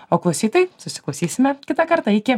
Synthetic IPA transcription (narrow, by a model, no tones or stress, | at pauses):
oːklˠɐʊsʲiːt̪ɐɪsʊsʲɪ̥klˠɐʊsʲiːsʲɪmʲɛkʲɪt̪ɐkɐɾt̪ɐɪkʲɪ